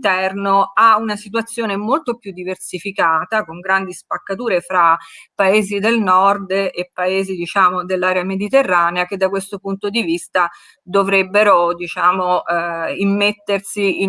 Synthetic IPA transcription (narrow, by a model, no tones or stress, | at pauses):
t̪ɛrnoaunasit̪̬wat̪sːjoːnemolt̪opjud̪ːiversifikaːt̪akoŋɡɾand̪ispakːat̪uːɾefɾapːaeːzid̪elnɔrd̪epːaeːzid̪it͡ʃaːmod̪elːaːɾeamed̪it̪erːaːneak̟ed̪ːakwest̪opunt̪od̪ivist̪a | d̪ovɾebːeɾod̪it͡ʃaːmo | imːet̪ːersii